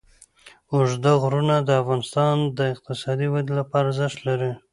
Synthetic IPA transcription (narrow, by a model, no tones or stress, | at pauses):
ʊʒd̪aɣɾunad̪əafɣɑnɪst̪ɑnd̪əɪq̚t̪ɪsɑd̪iwad̪lapɑɾazəʂt̪laɾi